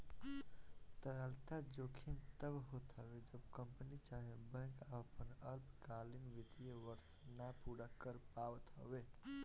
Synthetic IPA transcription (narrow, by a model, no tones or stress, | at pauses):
t̪əɾəlt̪ad͡ʒoːkʰint̪əbɦot̪ɦəwed͡ʒəbkəmpənit͡ʃaɦebə̃kəpənəɾpkalinʋit̪ijeʋəɾs | napuɾakəɾpaʋət̪ɦə̰we